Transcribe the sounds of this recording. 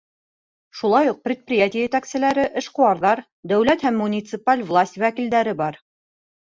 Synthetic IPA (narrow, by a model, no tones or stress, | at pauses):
ʃulˠɑjuq̚prʲɪt̪̚prʲɪjat̪ʲɪjəjɘ̆t̪æksɘ̆læɾɘʔɘ̆ʃqŏwɑɾðɑɾ | d̪æwlæt̪hæmːunʲit̪sɨpalʲvlˠasʲt̪ʲwækild̪æɾɘbɑɾ